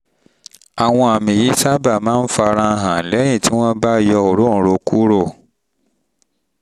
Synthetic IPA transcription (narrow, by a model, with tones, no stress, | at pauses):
a˨w̃ɔ̃˧a˨mĩ˨ji˨˦sa˦ba˦˨mãː˦n̩˦fa˧ɾ̃ã˧ɦã˨lɛ˨˦j̃ĩ˦˨ti˦w̃ɔ̃˦ba˦jɔ˧˨o˨ɾõ˦˨ɾo˧ku˦ɾo˦˨